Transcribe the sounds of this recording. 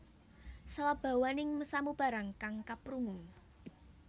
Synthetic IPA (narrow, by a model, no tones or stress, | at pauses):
sawab̥a̤wanɪŋməsamub̥a̤ɾaŋkaŋkapɾuŋuŋ